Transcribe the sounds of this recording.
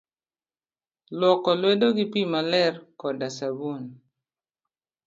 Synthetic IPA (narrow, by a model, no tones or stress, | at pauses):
lwɔkɔlwedoɡipimalɛrkɔdasabun